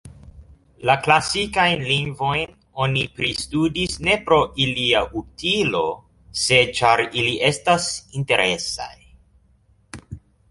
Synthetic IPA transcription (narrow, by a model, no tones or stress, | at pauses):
laklasikajnliŋɡvo̞jn | o̞nipɾistudisne̞pɾo̞ʔiliaʔutʰilo̞ | se̞t͡ʃaɾiliʔe̞stasinte̞ɾʔe̞sa̰j